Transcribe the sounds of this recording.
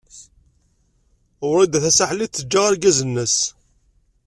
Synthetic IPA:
ʊɾˤid̪æθæsaħliθəd͡ʒːaʁaɾɡæzənːəs

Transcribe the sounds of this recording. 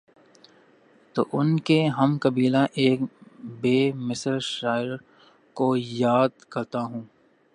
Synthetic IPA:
t̪o̰ːʔʊnkeɦɐmkɐbiːlãʔeːkbeːmɪsəɾʃaːɪɾ | kojaːd̪kɐɾt̪aɦũː

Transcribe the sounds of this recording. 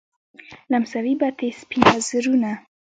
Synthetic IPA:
lamsawibat̪espinazɾuna

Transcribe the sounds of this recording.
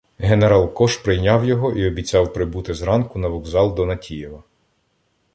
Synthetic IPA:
ɦeneɾɑlˠkɔʃpɾɪjnʲɑwjɔɦɔʔiɔbʲit͡sʲɑwpɾɪbut̪ɪzɾɑnkʊnɐʋɔɡzɑlˠd̪ɔnɐtʲijɛʋɐ

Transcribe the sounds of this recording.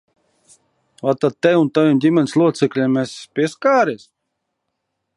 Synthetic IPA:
vat̪at̪̚t̪ːɛjunt̪avʲimdʲimʲɛnʲslˠuɔt̪sɛklʲɛmɛspʲiɛskaːɾɛsʲ

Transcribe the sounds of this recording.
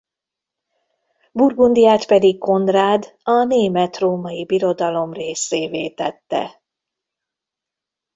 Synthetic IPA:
burɡund̪ijaːt̪pɛd̪ikko̞nd̪raːd̪ | ɒneːmɛt̪roːmɒjibiɾo̞d̪ɒlo̞mreːseːveːt̪ɛt̪ːɛ̰

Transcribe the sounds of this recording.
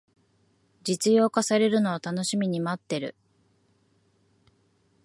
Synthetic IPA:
d͡ʑit͡sɨjo̞ːkasaɾe̞ɾɯ̟no̞at̪ano̞ɕimʲiɲ̟imat̪ːe̞ɾɯ̰

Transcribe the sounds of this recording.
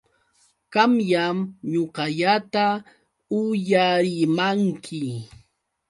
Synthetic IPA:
kɑmjamɲoqɑʎat̪a | ʊjaɾɪmaŋkʰɪ

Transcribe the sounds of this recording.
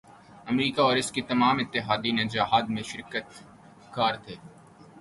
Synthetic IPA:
ɐmɾiːkaɔːɾɪskit̪ɐmaːmɪt̪ːɪɦaːd̪inẽd͡ʒaɦaːd̪mẽʃɪɾkət̪ | kaːɾt̪ʰeː

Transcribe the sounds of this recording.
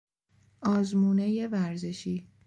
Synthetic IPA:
ʔɒːzmuːneje̞væɾzeʃiː

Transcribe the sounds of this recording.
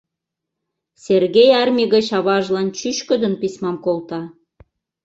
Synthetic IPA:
sʲerɣejɑrmʲiɣət͡ɕɑβɑʒlɑnt͡ɕyʃkəd̪ənpisʲmɑmkolt̪ɑ

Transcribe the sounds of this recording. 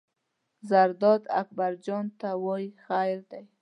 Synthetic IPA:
zaɾd̪ɔd̪a̰k̚baɾd͡ʒɔnt̪awɔjxajɾd̪aj

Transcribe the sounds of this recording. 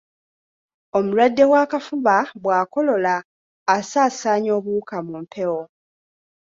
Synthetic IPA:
o̞mulwadːe̞waːkafuβaβwaːko̞lo̞laː | saːsaːɲo̞ːβukamumpʰe̞wo

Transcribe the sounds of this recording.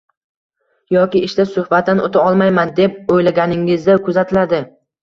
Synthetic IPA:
jɒkʲɪɪʃt̪asʊhbat̪̚d̪anʔot̪ʰaɒlˠmajmand̪e̞p̚ojlaɡʲanɪŋɪzd̪akʰʊzat̪ʰɪlad̪ɪ

